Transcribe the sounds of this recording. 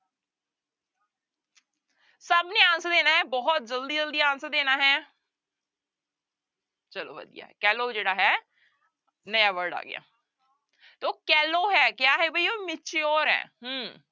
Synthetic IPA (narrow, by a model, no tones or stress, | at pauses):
səbneːãːnsəd̪eːnaːɦɛːbɔːt̪̚d͡ʒəld̪iːd͡ʒəld̪iːãːnsəd̪eːnaːɦɛː | t͡ʃəlo̰ːʋə̰d̪ḭja̰ːɛkɛːloːd͡ʒeːɽaːɦɛː | nəjaːʋəɾɖa̰ːɡɪ̰a̰ː | t̪eoːkɛːloːɦɛːkɪjaːɦɛːbəiːoːmɪt͡ʃeoːɾɛ̰ːɦəm